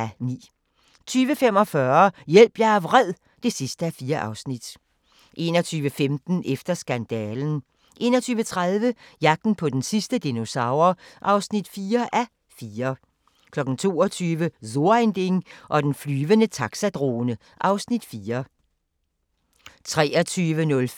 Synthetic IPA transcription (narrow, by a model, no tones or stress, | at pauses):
ænḭː | t͡sʰyːʋəfem̰ɒ̽fɶɐjel̰b̥jɑæʋʁɛð̰ˠ | d̥e̝sisd̥əæfiːɐʔɑ̈ʊsnid̥ | ʔe̝̰ːnɒt͡sʰyːʋəfemd̥n̩efd̥ɐsɡ̥ænd̥ɛːln̩ | ʔe̝ːnɒ̽t͡sʰyːʋət͡sʰʁaðˠʋəjɑ̈ɡ̥̚d̥n̩pʰɒ̽d̥ensisd̥əd̥ino̝sɑ̈ʊ̰ɐʔɑ̈ʊsnid̥fiːɐʔæ | fiːɐ | kʰlɒ̽ɡ̥n̩t͡sʰo̝̰ːɒt͡sʰyːʋəzo̝ɐend̥e̝ŋʔɒ̽d̥enflyːʋənət͡sʰɑ̈ɡ̥sæd̥ʁo̰ːnə | ʔɑ̈ʊsnid̥fiːɐ | t͡sʰʁɛ̰ːɒt͡sʰyːʋənɔ̽l